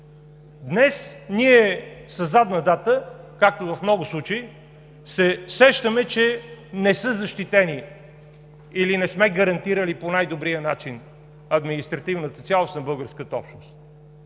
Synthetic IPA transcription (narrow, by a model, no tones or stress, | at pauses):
d̪nɛsniɛsɐzːad̪nəd̪at̪əkak̚t̪ovɐfmnɔɡʊslˠut͡ʃəi | sɛsɛʃt̪əmɛt͡ʃɛnɛsɤzɐʃt̪it̪ɛni | ilinɛsmɛɡəɾɐnt̪iɾəliponajd̪obɾijənat͡ʃin | ɐd̪minist̪ɾɐt̪ivnət̪ət̪sʲjalˠost̪nɐbɤlˠɡəɾskət̪əɔ̰pʃnost̪